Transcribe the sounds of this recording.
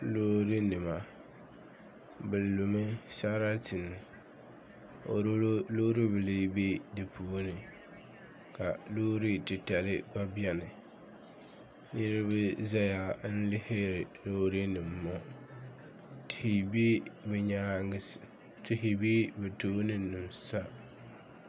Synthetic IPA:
loː˦ɾi˦nɪ˨ma˨ | bɨ˨lːu˨mɪ˦sa˦ɾa˦tɪ˨nːɪ˨ | o̰˨ɾloː˦ɾi˦bɨ˨li˦be˦dɪ˨pʰu˦nɪ˨ | ka˨loː˦ɾi˦tɪ˨ta˨lɪ˦ba˦bi˦ɛ˦nɪ˨ | ni˦ɾɪ˦bɪ˦za˦ja˨˦n̩˦lɪ˦hɪ˦ɾɪ˨lo˦ɾi˦nɪ˨mː˨˦ɔ˦ | tɪ˨hi˨be˦bɛ˨ɲaː˨˦ŋ˦s | tɪ˨ɦi˨biː˦bɨ˨to˦nɪ˦nʊ˨msa˦

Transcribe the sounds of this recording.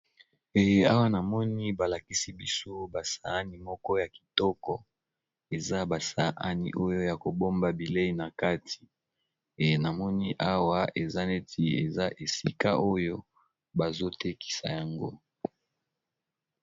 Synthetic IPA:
e˨je˦a˦wa˦na˨mɔ˦ni˦ba˨la˨ki˦si˦bi˦so˦ba˨sa˨a˦ni˨mɔ˦kɔ˦ja˨ki̥˨tɔ˦kɔ˨ | e˨za˦ba˨sa˨ʔa˦nḭ˨ʔo˦jo˦ja˨ko˨bo˦mba˨bi˨le˦i˨na˨ka˦tʰi̥˨ | e˨na˨mɔ˦ni˦ʔa˦wa˦e˨za˦ne˦tʰi˦ḛ˨za˦ʔe˨si˦ka̰˦ʔo˦jo˦ | ba˨zo˦te˦ki̥˨sa˨ja˨ŋɡo̰˦

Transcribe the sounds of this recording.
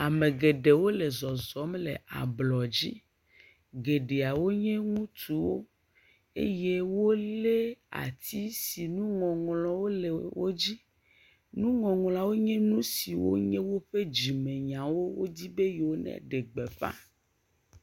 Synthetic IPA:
a˨mẽ˨ɡe˨ɖe˨wo˦le˨zɔ˨zɔ˨˦m˦lḛ˨ʔa̰˨blɔ˨d͡ʑḭ˦ | ɡe˨ɖe˨a˨wo˦ɲɛ̃˦ŋũ˦t̪u˨wo˦ | ḛ˦je˦wo˦le˦a̰˨t̪i˦si˨nũ˦ŋɔ̃˨ŋlɔ̃˨wo˦le˨wo˦d͡ʑi˦ | nũ˦ŋɔ̃˨ŋlɔ̃˨a˨wo˦ɲɛ̃˦nũ˦si˨wo̰˦ɲɛ̃˦wo˦ɸe˦d͡ʑi˨mẽ˨ɲã˨wo˦wo˦d̪i˦be˦je˨wo˦nɛ̰˦˨ɖe˨ɡ͡be˨ɸã̰˦

